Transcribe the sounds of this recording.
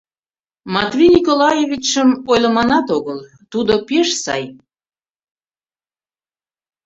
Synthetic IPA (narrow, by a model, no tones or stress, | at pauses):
mɑt̪vʲinʲikolɑjevʲit͡ɕəmojləmɑnɑt̪oɣəlˠ | t̪ud̪opeʃsɑ̰j